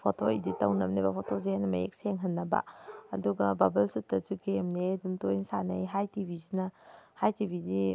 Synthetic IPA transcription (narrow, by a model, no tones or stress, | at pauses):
pʰotʰoiditɐwnɐmnibɐpʰotʰozehajnɐmɐ̰jḛk̚seŋɦɐnːɐbɐ̰ɐ̰duɡɐ̰babɐlsutːɐzukemneɐdumtojinsanɐ̰jɦajtibʱizinɐhajtibidi